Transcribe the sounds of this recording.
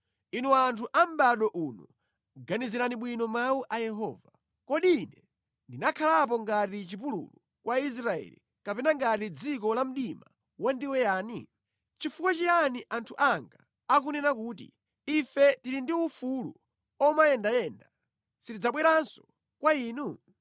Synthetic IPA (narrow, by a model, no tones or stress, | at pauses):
inɛantʰuʔam̩baɗɔʔunɔ̰ | ɡaniziɾaniɓwinɔmauʔajɛɦɔ̰ːva | kɔɗinɛ | ndinakʰalap̬ɔŋɡatit͡ʃipulṵlu | kwais̬ɾaɛ̰lḭ | kapɛnaŋɡatid͡zik̬ɔlam̩ɗima | wandiwɛjaːni | t͡ʃifukwat͡ʃijaniʔantʰuʔaŋɡaː | k̬unɛnakuːtḭ | ifɛtiɾindiufulṵ | ɔmajɛndajɛːnda | sitid͡zaɓwɛɾansɔ̥ | kwaiːnu